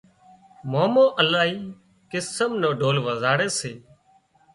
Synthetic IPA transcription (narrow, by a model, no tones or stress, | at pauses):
moːmõːʔəlaːɦiː | kɪsəmnõːɖoːlʋəzaːɽeːseː